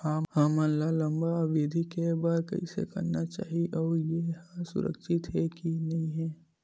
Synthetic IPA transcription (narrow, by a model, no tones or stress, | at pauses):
aːhamɐ̃nlalɐ̃mbaʋeːd̪ʱikebaːɾkɐ̰ḭsḛkɐ̰ɾnat͡ʃa̰ːɦieʔɔːɾjehasʊ̰ɾə̰kʃɪt̪ɦɛkinɐĩɦɛ̃ː